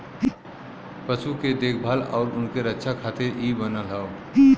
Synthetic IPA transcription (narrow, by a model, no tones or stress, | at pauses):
pəsuked̪eːkʰbʱalɔ̰ːɾʊnkeɾətːʃʰakʰaːt̪eɾʔibənəlɦɛo